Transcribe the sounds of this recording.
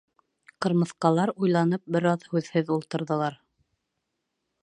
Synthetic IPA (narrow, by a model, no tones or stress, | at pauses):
qɤ̆ɾmɤ̆θqɑlˠɑɾujlˠɑnɤp̚bɘ̆ɾɑðhʉðhɘðulˠt̪ɤ̆ɾðɤ̆lˠɑɾ